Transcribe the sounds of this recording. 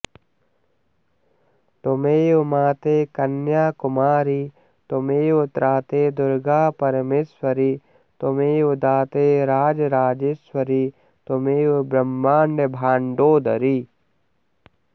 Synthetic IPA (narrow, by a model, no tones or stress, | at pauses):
t̪omeːumaːt̪eːkɐnjaːkʊmaːɾi | t̪omeːʊt̪ɾʔaːt̪eːd̪ʊɾɡaːpɐɾmeːswɐɾiː | t̪omeːud̪aːt̪eːɾaːd͡ʒɾaːd͡ʒeswɐɾiː | t̪omeːbɾɐmːaːɳɖebʱaːɳɖoːd̪ɐɾi